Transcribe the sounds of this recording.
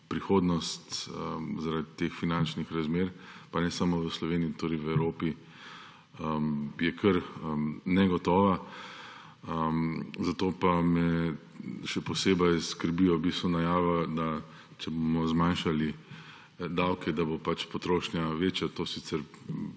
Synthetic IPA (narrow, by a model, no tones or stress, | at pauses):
pɾixoːd̪nɔst̪əzaɾad̪it̪exfinant͡ʃnixɾazmeːɾpanɛsamoʋəslɔʋeːniːt̪oɾɛɪʋɛwɾoːpi | əjɛkʰəɾənɛɡɔt̪ɔːʋa | əzat̪oːpamɛ | ʃɛpɔseːbajskəɾbijɔbiːst̪ʋɔnajaːʋad̪a | t͡ʃɛbomɔzmanʃali | d̪awkʰɛd̪abopat͡ʃpɔt̪ɾoːʃnjaʋeːt͡ʃjat̪oːsisɛɾ